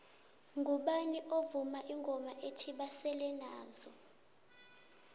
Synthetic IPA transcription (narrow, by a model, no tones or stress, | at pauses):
ŋɡʱuɓaniʔovumaʔiŋɡʱɔmaʔetʰiɓasɛlɛnaːzɔ